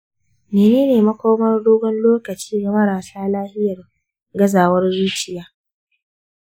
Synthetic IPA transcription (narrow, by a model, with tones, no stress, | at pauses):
meː˨neː˦neː˨mɐ˦kʷoː˦mɐ˦rɽoː˦ɡʷɔ˦nloː˦kɐ˨t͡ʃiː˦ɡa˨mɐ˦ɽaː˨saː˦laː˦hɪ˦jɐ˨r | ɡɐ˦zaː˨wɐ˦rzuː˦t͡ʃɪ˨jaː˦